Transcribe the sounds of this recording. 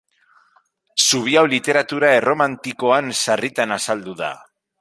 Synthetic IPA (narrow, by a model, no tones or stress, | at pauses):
suβ̞iawlit̪e̞ɾat̪uɾae̞ro̞mant̪iko̞ansarit̪anasald̪uða̰